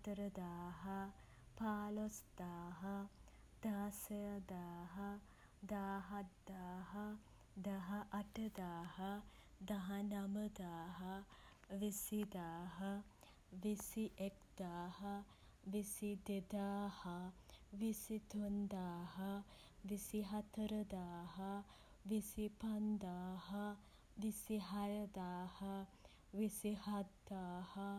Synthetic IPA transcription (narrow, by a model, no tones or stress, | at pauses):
t̪ɐɾɐd̪aːɦɐ | paːlosd̪aːɦɐ | d̪̥aːsɐjɐd̪aːɦɐ | d̪aːɦɐt̪d̪aːɦɐ | d̪ɐɦɐʔɐʈɐd̪aːhɐ | d̪ɐɦɐnɐmɐd̪aːɦɐʋisid̪aːɦɐ | ʋisiʔekd̪̥aːhɐ | ʋisid̪ed̪aːhɐʋisid̪ʱund̪aːɦɐ | ʋisiɦɐt̪ɾɐd̪aːɦɐ | ʋisipɐnd̪aːɦɐ | ʋisiɦɐjɐd̪aːhɐ | ʋisihɐd̪aːhɐ